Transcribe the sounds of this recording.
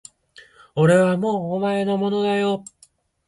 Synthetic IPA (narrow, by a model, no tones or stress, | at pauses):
oɾe̞βamo̞ːmaenomo̞no̞d̪ajo̞